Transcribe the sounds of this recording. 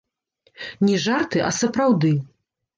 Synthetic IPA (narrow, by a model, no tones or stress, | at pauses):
nʲɛʐart̪ɨʔɐsɐpɾawd̪ɨ